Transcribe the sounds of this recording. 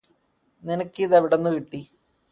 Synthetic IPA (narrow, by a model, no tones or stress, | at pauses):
ninɐkʲːiðɐʋiɽenːukiʈːi